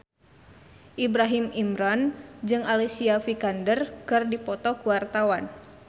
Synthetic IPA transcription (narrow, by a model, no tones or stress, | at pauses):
ʔibɾaɦimimɾand͡ʒɨŋalisiafikandərkɨrdipɔt̪ɔkuwart̪awan